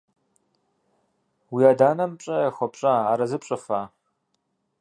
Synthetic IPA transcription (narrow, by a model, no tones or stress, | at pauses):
wiaːdaːnɐmɕʼɐjɛxʷɔpɕʼaaːɾɐzɨpɕʼɐfaː